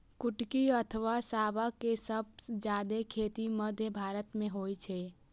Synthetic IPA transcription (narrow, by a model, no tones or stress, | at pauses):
kʊʈkiət̪ʰəʋasaːʋakesəb̚d͡ʒjaːd̪ekʰeːt̪iməd̪ʱːjəbʱaːɾət̪mẽɦoːit͡ʃʰeː